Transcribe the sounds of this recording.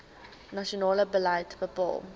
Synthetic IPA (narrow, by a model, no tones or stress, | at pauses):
nɐʃionɑːləbəlɐjtbəpɑ̰ːlˠ